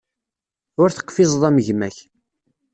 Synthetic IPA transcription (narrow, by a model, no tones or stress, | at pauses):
ʊɾθə̥qːfɪzˤðˤæməʝmæç